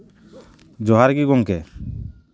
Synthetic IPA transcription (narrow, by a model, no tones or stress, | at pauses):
d͡ʒɔɦaɾɡiɡɔŋkɛ